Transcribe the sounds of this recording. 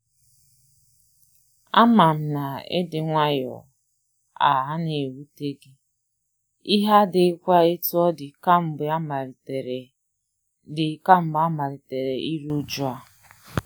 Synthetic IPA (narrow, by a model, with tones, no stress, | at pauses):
a˦ma˨m̩˨na˨ḛ˦dɪ˨ŋʷa˦jɔ̰˨ | a̰˨ɦa˦ne˨wu˦te˦ɡɪ˦ | i˦ɦa˦dɪ˨˦kʷa˦e˦tu˦ɔ˦dɪ˨ka˦m̩˦ba˦m˨ɾ | dɪ˨˦ka˦m̩˦ba˦ma˨ɾɪ˨te˨ɾe˨i˦ɾu˦d͡ʒu˦a˦˨